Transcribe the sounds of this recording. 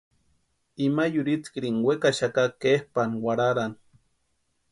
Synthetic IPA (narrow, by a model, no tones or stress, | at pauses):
imajuɾit͡skɾiŋwekaʃakakehpanwaɾaɾan